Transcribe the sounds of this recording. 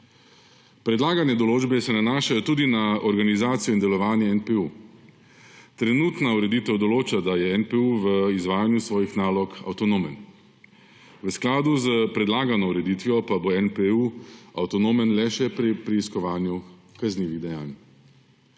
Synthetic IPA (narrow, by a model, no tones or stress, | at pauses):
pɾɛd̪laːɡanjɛd̪ɔloːd͡ʒbɛsɛnanaːʃajɔt̪uːd̪inaɔɾɡanizaːt̪sijɔind̪ɛlɔʋaːnjɛɛnpɛu | t̪ɾɛnuːt̪nauɾɛd̪iːt̪ɛwd̪ɔloːt͡ʃad̪ajɛɛnpɛuʋəizʋaːjanjusʋɔːjixnaːlɔka̰wt̪ɔnoːmɛn | ʋəsklaːd̪uzəpɾɛd̪laːɡanɔuɾɛd̪it̪ʋijɔpaboɛnpɛua̰wt̪ɔnoːmɛnlɛʃɛpɾipɾiiskɔʋaːnjukazniːʋiɣd̪ɛja̰ːn